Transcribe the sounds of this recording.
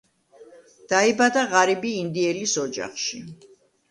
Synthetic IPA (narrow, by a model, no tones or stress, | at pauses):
d̪̥aibad̪aʁaɾibiːnd̪iɛlisɔd͡ʒa̰χʃi